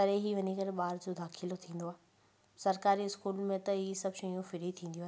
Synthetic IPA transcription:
ɐɾeɦiʋɐɲikɐɾeɓaːɾd͡ʑoːd̪aːkʰilot̪ʰĩːn̆d̪oaːɦ | sɐɾkaːɾiɪskuːlmẽt̪ɐɦisɐbʃɐ̃ijũfɪɾit̪ʰĩːn̆d̪iuaː

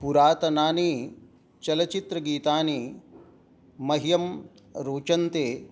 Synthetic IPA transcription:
puɾaːt̪ɐnaːni | t͡ʃɐlɐt͡ʃit̪ɾɐɡiːt̪aːni | mɐɦijɐm | ɾoːt͡ʃɐnt̪eː

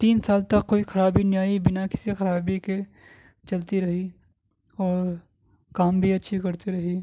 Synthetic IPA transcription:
t̪iːnsaːlt̪ɐkːoːixɐɾaːbinjaːibɪnakɪ̥sixɐɾaːbike | t͡ʃɐlt̪iɾɐɦi | ɔːɾ | kaːmbʱiɐtːʃʰikɐɾt̪iɾɐɦi

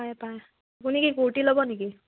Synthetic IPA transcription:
ajpaj | kunikikuɹʈilɔbɔneki

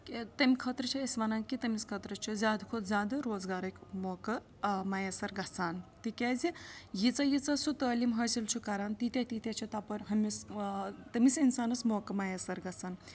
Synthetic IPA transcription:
ket̪ɐmʲikʰɐt̪ɾət͡ʃʰiɐsmɐnaːnkit̪ɐmiskʰɐt̪ɾət͡ʃʰizʲaːd̪ɐkʰud̪zʲjaːd̪ɐɾoːzɡaːɾɐkʲmoːkɐ | majasɐɾɡɐt͡saːnt̪ikʲeːzijit͡sɐjit͡sɐsut̪ɐːlimɦɐsilt͡ʃʰukɐɾaːnt̪it̪ʲjɐt̪it̪ʲɐt͡ʃʰit̪apɐɾɦɐmʲist̪ɐmisinsaːnɐsmoːkɐmajɐsɐɾɡɐt͡saːn

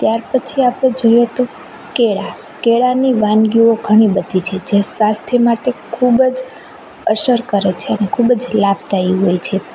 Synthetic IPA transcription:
t̪jaɾpət͡ʃʰiapɽ̃ed͡ʒojet̪o | keɭakeɭaniʋanɡioɡʱəɽ̃ibəd̪ʱit͡ʃʰed͡ʒesʋast̪ʰemaʈekʰubəd͡ʒ | əʃəɾkəɾet͡ʃʰeənekʰubəd͡ʒlab̚t̪aiɦojt͡ʃʰe

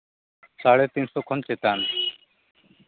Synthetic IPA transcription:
saɽet̪insokʰɔnt͡ʃet̪aːn

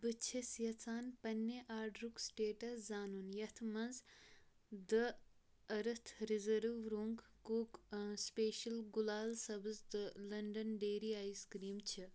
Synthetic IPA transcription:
bɨt͡ʃʰisjɐt͡saːnpɐnːeʔaːɾɖɾuksʈeːʈɐszaːnunjɐt̪ʰmɐnz | d̪ɨ | ɐɾɨt̪ʰɾizɐɾʋɾoŋɡ | kukspeːʃɐlɡulaːlsɐbɨzd̪ɨlɐɳɖɐnɖeːɾiaːjskɾiːmt͡ʃʰi

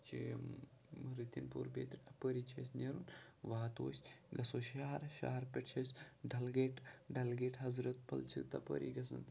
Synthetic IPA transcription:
t͡ʃi | ɾit̪inpṵːɾbḛːt̪ɾʲɐpəɾit͡ʃʰɐsʲnʲeɾunʋaːt̪oːsʲɡɐsoːʃaːɐɾʃa̰ːɾpʲeʈt͡ʃʰɐsʲɖɐlɡeʈɖɐlɡeːʈɦɐzɾɐt̪̚pɐ̰lt͡ʃʰḭt̪ɐpə̰ɾḭɡɐsɐ̰nt̪

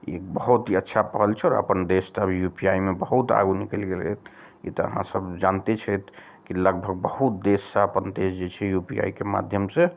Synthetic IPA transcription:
ekbəɦut̪ɦiətːʃʰapəɦəlt͡ʃʰɛɔɾə̰pənd̪est̪əbʱijupiaimebəɦut̪a̰ɡunikɛlɡelɛ̰t̪̚ʰ | ḭt̪ɔə̰ɦã̰səbd͡ʒant̪et͡ʃʰɛt̪ʰ | kiləɡ̚bʱəɡ̚bəɦut̪̚d̪esːəəpənd̪esd͡ʒet͡ʃʰɛjupia̰ikema̰d̪ʱjəmse

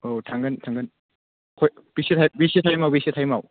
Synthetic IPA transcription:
otʰaŋɡɯntʰaŋɡɯn | kʰoj | bisitʰajbisitʰajmawbisitʰajmaw

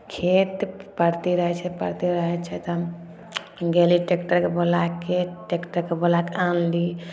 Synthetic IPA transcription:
kʰet̪pəɾt̪iɾəɦɛt͡ʃʰɛpəɾt̪iɾəɦɛt͡ʃʰɛt̪ɔ | ɡeliʈekʈəɾkebolakʰːeʈekʈəɾkebolakãnli

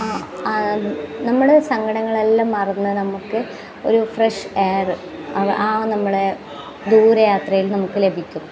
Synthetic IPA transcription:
aːanɐmːuɽe̞sɐŋɡɐɽɐŋːɐɭe̞lːaːmːɐrɐnːɨnɐmukːɨ | o̞̰ɾufreʂeːrɨ | ɐʔaːnɐmːuɽe̞ | d̪uːɾɐjaːt̪rɐjilnɐmukːɨle̞bʱikʲːu

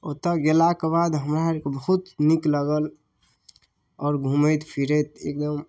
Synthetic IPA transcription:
ot̪əɡelakebad̪ɦəmɾaɦɾkebəɦut̪nikləɡəl | ɔːɾɡʱumət̪pʰiɾet̪ḛk̚d̪əm

